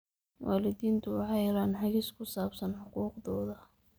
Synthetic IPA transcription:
wʔa̰ːlɪðiːnt̪ʰʊʕɑlaːnħɑɣiːskʰʊsaːbsɐnħʊquːqðɔːðɐ

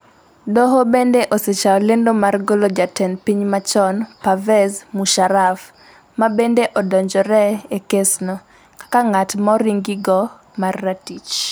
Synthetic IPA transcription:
dɔɦɔbendeʔoset͡ʃaɔlendomarɡolod͡ʒatɛnpiɲmat͡ʃɔnpavɛzmuʃaɾaf | mabendeʔɔdɔɲd͡ʒɔɾɛekesnɔ | kḁkaŋatmɔɾiŋɡiɡɔ | marːatit͡ʃ

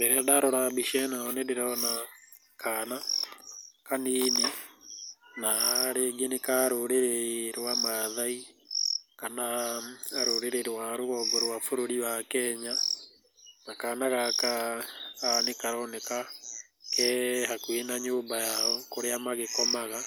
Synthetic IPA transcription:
bɛɾɛdaɾɔɾabiʃɛnaɔnedeɾɔna | kana | kanine | naɾeɡenekaɾoɾeɾeɾwamaðai | kanaaɾoɾeɾeɾwaɾoɣɔɡɔɾwafoɾoɾiwakɛɲa | nakaːnaɣakaː | nekaɾɔneka | kɛɦakwenaɲoːmbajaɔkoɾeamaɣekɔmaɣa

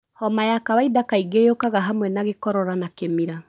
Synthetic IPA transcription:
hɔmajakawaidakaiɡejokaɣaɦamwɛnaɣekɔɾɔɾanakemiɾa

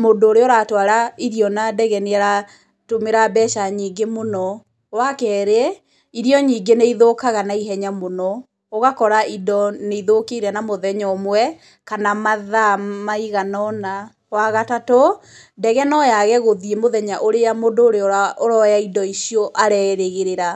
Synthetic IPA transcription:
mondoːɾeoɾatwaɾaiɾjɔnadɛɣɛneaɾa | tomeɾabɛʃaɲiːɡemonɔ | wakɛːɾe | iɾiɔɲiːɡeneiðokaɣanaiɦɛɲamonɔ | oɣakɔɾaidɔneiðokeiɾɛnamoðɛɲɔmwɛ | kanamaðamaiɣanɔna | waɣatato | dɛɣɛnɔjaɣɛɣoðiemoðɛɲaʔoɾejamondoːɾeɔaʔoɾɔjaidɔisiɔʔaɾɛːɾeɣeɾeɾa

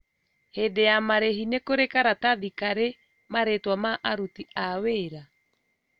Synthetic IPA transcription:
hedejamaɾeɦinekoɾekaɾataðikaɾe | maɾetwamaʔaɾutiaweːɾa

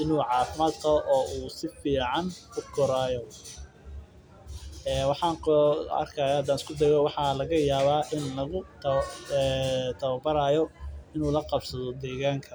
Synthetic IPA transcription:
ʔɪnuːʕɑːfɪmaːd̪kʰʔɔːʔuːsɪfiːʕɑnʊɡʰɔɾaːjɔ | ɛːwɑħɑːŋɐ̰rkʰajaːhɐd̪aːnɪskʰʊd̪ɛjɔwɑħɑːlɐɣɐjaːβaːʔɪnlɐɣʊt̪ʰɐɛt̪ʰɐβɐbɐɾaːjɔɪnuːlɐqɑbsɐðɔd̪ɛːɣaːŋkʰɐ

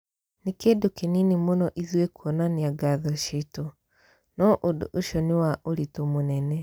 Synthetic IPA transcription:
nikedokininimunɔʔiðwekwɔnaniaɡaðaʃito | nɔʔodoʃoniwaʔolitomunene

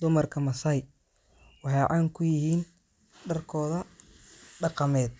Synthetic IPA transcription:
d̪ʊmɐrkʰɐmɐsɐj | wɑħɑjʕɑːŋkʰʊjɪhiːn | ɖɐrkʰɔːðɐ | ɖɑqɑmɛːd̪̚

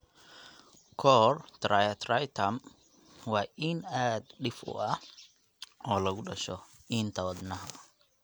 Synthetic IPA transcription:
kʰɔːrt̪ʰrajɐt̪ʰrɐjt̪ʰɐm | wɑːʔɪnaːd̪ɖɪfʊ̰ʔɐh | ʔɔːlɐɣʊɖɐʃɔint̪ʰɐwɐd̪nɐɦɐ

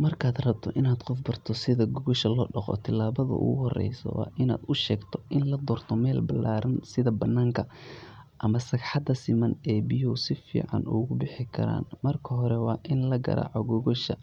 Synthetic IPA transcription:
mɐrkʰaːd̪rɐb̚t̪ʰɔʔɪnaːd̪qɔfbɐrt̪ʰɔsɪðɐɡɔɣɔʃɐlɔːɖɐqɔ̰t̪ʰɪlːaːβɐðɐ̰ʔʊ̰ɣʊɦɔrɛ̰jsɔ̰wɑ̰ːʔɪna̰ːd̪ʊʃɛːɡt̪ʰɔ̥ʔɪnlɐd̪ɔːrt̪ʰɔmɛːlbɐlːaːɾɐnsɪðɐbɐnːaːŋkʰɐ | ʔɐmɐsɐɡħɑd̪ɐsɪmɐnɛːbɪjɔsɪfḭːʕɑ̰nʊɣʊbɪħɪkʰɐ̰ɾa̰ːnmɐrkʰɐɦɔɾɛwɑːʔɪnlɐɡɐ̰ɾa̰ːʕɔɡɔɣɔʃɐ̰

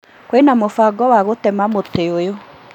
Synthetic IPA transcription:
kwenamofaɡɔwaɣotɛmamoteojo

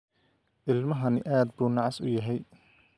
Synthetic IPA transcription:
ʔɪlmɐɦɐnɪ̰ʔaːd̪buːnɑʕɑsʊ̰jɐɦɛj

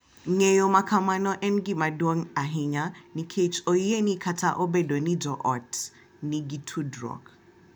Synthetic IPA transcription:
ŋejomakʰamanɔʔɛnɡimadwɔŋaɦiɲanikʰet͡ʃɔienikʰatʰaʔɔbedɔnid͡ʒɔʔɔt | niɡitʰudrɔ̰ɡ

